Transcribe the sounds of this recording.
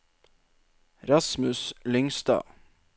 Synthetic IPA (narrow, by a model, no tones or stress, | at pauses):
ɾɑsmʉslʏŋsd̪ɑ̰ː